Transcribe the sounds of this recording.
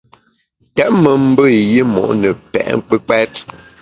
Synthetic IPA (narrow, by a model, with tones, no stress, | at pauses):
tɛ˦ʔ̚mə˨m̩˦bə˦˨ji˦mɔ̰˨ʔnə˨pɛ̰˨ʔŋ˦k͡pə˦k͡pɛ˦t